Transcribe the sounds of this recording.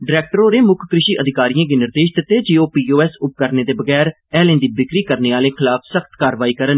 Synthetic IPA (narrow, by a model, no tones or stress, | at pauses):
ɖɪɾɛːk̚ʈəɾoːɾeːmʊkʰkɾɪʃiːʔəd̪ʱɪkaːɾijãːɡiːnɪɾd̪eːʃd̪ɪt̪ːeːd͡ʒeːoːpiːoːɛːsʊp̚kəɾneːd̪eːbəɡɛːɾ | ɛːlẽːnd̪iːbɪkɾiːkəɾneːaːlẽːkʰɪlaːpʰsəkʰt̪kaːɾʋaːiːkəɾən